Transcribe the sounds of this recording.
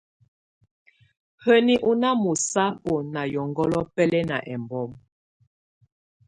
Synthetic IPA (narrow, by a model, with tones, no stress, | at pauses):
hə˦ni˦ʔu˦na˦mu˨sa˦o˨na˨jɔ˨ŋɡɔ˦lɔ˦pɛ˦lɛ˦na˨ʔɛ˨mbɔ˦m